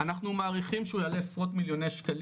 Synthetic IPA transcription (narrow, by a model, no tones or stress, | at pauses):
anaχnumaːʁiχimʃeujalesʁot̪miljo̞nejʃkal